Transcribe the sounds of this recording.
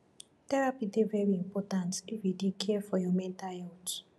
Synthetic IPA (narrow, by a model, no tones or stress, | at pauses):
tɛɹapidevɛɹiĩmpɔtãntifjidikʰɛfɔjɔmɛ̃ntajɔt